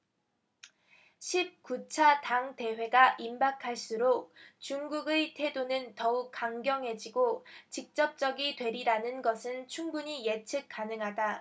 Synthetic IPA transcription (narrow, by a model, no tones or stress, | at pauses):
ɕʰip̚k͈ut͡ɕʰataŋte̞we̞ɡaʔimbakʰaɭs͈uɾok̚t͡ɕuŋɡuɡetʰe̞donɯntʌuk̚k͈ːaŋɡjʌŋɦe̞d͡ʑiɡot͡ɕik̚t͡ɕ͈ʌp̚t͡ɕ͈ʌɡitwe̞ɾiɾanɯnɡʌsʰɯnt͡ɕʰuŋbuɲije̞t͡ɕʰɯk̚k͈anɯŋɦada